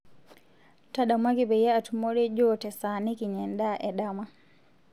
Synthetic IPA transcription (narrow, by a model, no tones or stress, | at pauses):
taɗamwaɡibɛjɛatumɔɾɛd͡ʒɔtɛsanikiɲɛndaʔɛɗama